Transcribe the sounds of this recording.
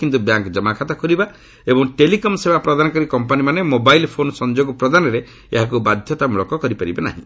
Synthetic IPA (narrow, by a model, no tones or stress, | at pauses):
kint̪ubjaŋkd͡ʒɔmakʰat̪ɔkɔɾiba | ebɔŋʈelikɔmsebapɾɔd̪anɔkɔɾikɔmpanimanemobajlpʰonsɔnd͡ʒoɡɔpɾɔd̪anɔɾe | ḛɦak̬ubad̪ʱjɔt̪amulɔkɔkɔɾipaɾibena̰ɦḭ̃